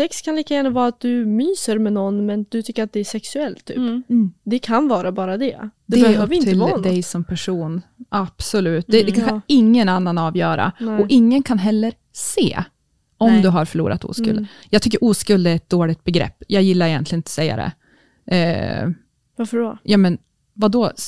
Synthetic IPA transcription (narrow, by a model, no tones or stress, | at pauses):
sɛkskʰanliːkajæːɳavɑːɾaat̪̚d̪ɵmyːsəɾmɛnɔnːmɛnd̪ɵt̪ʰʏkːəɾat̪̚d̪ɛæʂɛksɵɛlt̪ʰːy̰ːpd̪ɛkʰanvɑːɾabɑːɾad̪ɛd̪ɛɛːvt̪ʰɪld̪ɛjsɔmpʰæʂuːnʔab̥sɔlʉ̟ːt̪̚d̪ɛd̪ɛkʰanɪŋːənanːanɑːvjœːɾa̰ɔʔɪŋːənkʰanɦɛlːəɾ | sḛː | ɔmd̪ɵɦaɾfœɭṵːɾʔa̰t̪ṵːskɵ̰ld̪ | jɑːɡt̪ʏkːəɾʔuːskɵld̪æɾɛt̪̚d̪oːɭɪɡ̚t̪̚bɛɡɾɛ̰pːjɑːɡjɪlːaɾɛjɛnt̪lɪənɪt̪ɔ̥sɛjːa̰d̪ɛ̰ | ʔ | vafəɖɔjɑːmɛn | vad̪ɔ